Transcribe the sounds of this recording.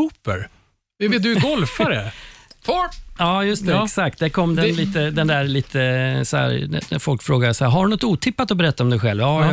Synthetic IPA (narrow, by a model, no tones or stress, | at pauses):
uːpə̰ɾ | ɛveːt̪̚d̪ɵɡɔlfaɾəfɔɑːjɵst̪ɛɛksak̚t̪̚d̪ækʰɔmːd̪ɛnliːt̪əd̪ɛnd̪æɾliːt̪ʰəsɔhæ̰ːɾ̰d̪æfɔlkfɾoːɡasɔhæɾɦaɖɵnɔt̪ːuːt̪ʰɪpːat̪ɔbɛɾɛt̪ːaɔmd̪ɛjɧɛlvɑ